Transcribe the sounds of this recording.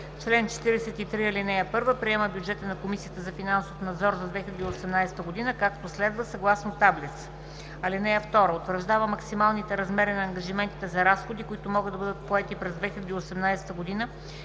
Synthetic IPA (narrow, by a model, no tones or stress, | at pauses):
t͡ʃlɛnt͡ʃɛ̥t̪iɾɛsɛt̪it̪ɾiɐlinɛjəpɤɾvəpɾiɛməbjud͡ʒɛt̪ənɐkomisijət̪əzɐfinansofnɐd̪zɔɾzɐd̪vɛxilʲɛd̪iosɛmnajsɛ̥t̪əɡod̪inəkak̚t̪oslɛd̪vəsɐɡlˠasnot̪ablit̪s | ɐlinɛjəft̪ɔɾəot̪vəɾʒd̪avəmɐksimalˠnit̪ɛɾɐzmɛɾinɐːŋɡɐʒimɛnt̪i̥t̪ɛzɐɾasxod̪ikʊit̪ʊmɔɡəd̪ɐbɤd̪ət̪̚poɛt̪ipɾɛzd̪vɛxilʲɛd̪iosɛmnajsɛ̥t̪əɡod̪inə